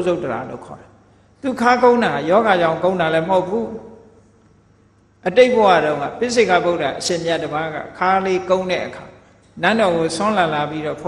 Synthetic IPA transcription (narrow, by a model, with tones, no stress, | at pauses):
zo˦˨təɾa̰˨lo̰˦˨kʰɔ̰˨ɾa˨ | t̪u˨kʰa˦kõ˦ʊ̃nda˨a˨jɔ˦ɣa˨d͡ʑã˦˨ʊ̃ŋkõ˦ʊ̃nda˨lɛ˦məɦo˦ʊpʰu˦ | ʔəte˦ɪʔpə˨wa̰˦˨ɾõ˦ʊ̃ŋã̰˦˨pɪ˦s̬ʰe˦˨kʰa˦˨bo˦ʊta˨ʔəʃẽ˨mja˦˨dəba˦ɡa̰˦˨kʰa˦le˦kõ˦ʊ̃ndɛ̰˦˨ʔəkʰa˨ | nã˦˨ndɔ˨ɣo˨sɔ̃˦la˨la˨pi˦ɾɔ̰˦˨pʰ